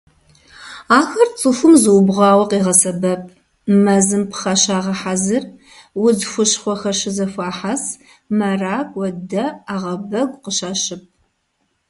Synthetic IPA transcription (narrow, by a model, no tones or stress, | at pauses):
aːxɐrt͡sʼɨfʷʊmzɨwbʁʷɑːwɐqiːʁɐsɐbɐp̚ʼʰ | mɐzɨmpʰχɐɕaːʁɐħazɨr | wʊzxʷʊɕχʷɔxɐɕɪzɐfʷaːħas | mɐraːkʷʼwɔdɐaːʁɐbɐɡʷʼqəʃaːɕɪp̚ʰ